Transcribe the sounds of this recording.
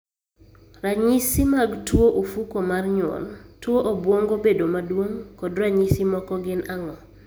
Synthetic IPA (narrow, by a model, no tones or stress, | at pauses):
raɲisimaɡtwoʔofukomarɲɔ̰ltwoʔobwoŋɡobedomadwoŋkɔdraɲisimɔkɔɡɪnaŋɔ